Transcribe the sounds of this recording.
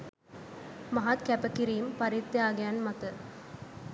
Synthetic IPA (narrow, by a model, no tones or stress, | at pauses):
mɐɦat̪kɛpɐkːiɾijɯmpɐɾit̪ːiaːɡɐjaːnmɐt̪ɐ